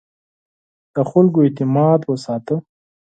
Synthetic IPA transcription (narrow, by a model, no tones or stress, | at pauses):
d̪̥əxʊlkoet̪ɪmɑd̪wəsɑːt̪ə